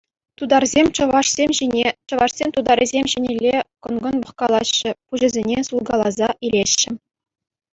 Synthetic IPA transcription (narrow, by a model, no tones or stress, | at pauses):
t̪ud̪ɑrzʲemʲt͡ɕɤ̆ʋɑʂsʲemʲʑinʲet͡ɕɤ̆ʋɑʂsʲemʲt̪ud̪ɑɾʲizʲemʲʑenʲelʲːekɤ̆nɡɤ̆nbɤ̆χkɑlˠɑɕːɘ̆puʑɘ̆zʲenʲesulˠɡɑlˠɑzɑʔilʲeɕːɘ̆